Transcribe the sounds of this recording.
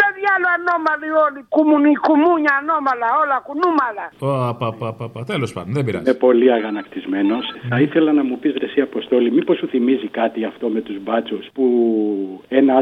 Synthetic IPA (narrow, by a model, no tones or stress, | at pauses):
eðjaloanomaliolikumunikumuɲaːnomalaolakunumalaopapapapɐt̪elospɐ̰nd̪onðebiɾɐ̰mepo̞liɐɣɐnɐkt̪izme̞no̞sθɐiθelɐnɐmupizðɾesiɐpo̞st̪o̞limipo̞suθimizikɐt̪iɐft̪o̞me̞t̪uzbɐt͡suspu | enɐ